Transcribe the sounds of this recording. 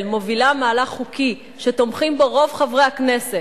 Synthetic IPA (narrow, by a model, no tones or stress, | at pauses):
lmovilamaːlaχχukʰi | ʃet̪o̞mχimbeʁo̞vχavʁehaknese